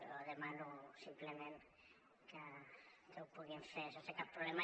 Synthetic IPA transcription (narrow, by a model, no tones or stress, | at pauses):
oðemanusimplemen | kat̪ewpuɣiɱfesesekapːɾolema